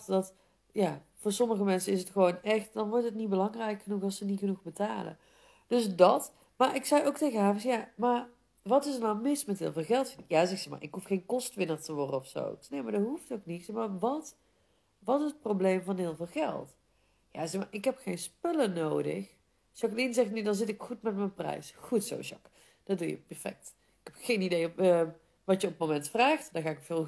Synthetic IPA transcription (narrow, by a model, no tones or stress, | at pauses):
tdɑt | jaː | vʊːɹsɔməɣəmɛnsəɪsətxəʋownɛxtdɑnʋɔɹtɦətnit̚bəlɑŋrɛjkxənuxɑlˠsənixənuxbətaːlə̰ | d̥ɵsdɑt | maːɹʔɪksɛjowk̚tejɣəɦaːvəsjamar | ʋɑtɪsəɹnawmɪsmɛtɦɪ̰ːlˠvɪːlˠɣɛlˠtfɪjazɛxsɛxma̰ɹʔɪkɦufxejnkɔstʋɪnərtəʋɔrdəɔfso̰nejmaɹdəɦuftowknitsɛmaʋɑt | ʋɑtɪsət̚prowblejmvɑnɦɪːlˠvɪːlˠɣɛ̰lˠt | jazɛxma̰ɹʔɪkɦɛpxejnspɵlənowdə̰x | sɑklinzɛxtnydɑnzɪtɪkxutmɛtmənprɛ̰jsxutso̰wsɔ̰k | d̥ɑd̚dujə̰pɛɹfɛ̰k̚t | ɪkhɛpxejnidejə | ʋɑtjəɔpəmomɛntfraːxtdaːɣaːɪkkfɪːlˠ